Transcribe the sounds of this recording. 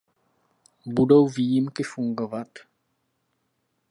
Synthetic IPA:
budo̞wviːjɪmkɪfuŋɡo̞vat̪

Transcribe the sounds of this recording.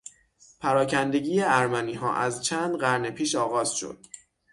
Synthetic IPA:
pʰæɾɒːcʰænd̪e̞ɟiːjeæɾmæniːɦɒ̰ːʔæzt͡ʃʰæːnd̪ɢæɾne̞pʰiːʃɒːɣɒːz̥ʃo̰d̪̥̚

